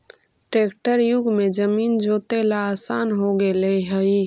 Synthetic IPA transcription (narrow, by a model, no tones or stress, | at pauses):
ʈeːkʈəɾjʊɡmed͡ʒəmiːnd͡ʒoːt̪elaːsaːnɦoɡeleɦəi